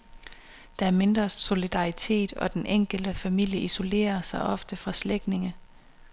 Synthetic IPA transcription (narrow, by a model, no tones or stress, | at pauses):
d̥ɑ̈æɐme̝nd̥ʁɐso̝lid̥ɑ̈it͡sʰe̝̰ːd̥ɒ̽d̥enʔeŋ̰ɡ̥əld̥əfæmil̰jəʔiso̝le̝̰ːɐsɑ̈ɪʔɒ̽fd̥əfʁɑ̈sleɡ̥ne̝ŋə